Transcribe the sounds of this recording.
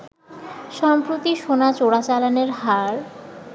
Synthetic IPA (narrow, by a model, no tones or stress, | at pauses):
ʃɔmpɾot̪iʃonat͡ɕoɽat͡ɕalaneɾɦaɾ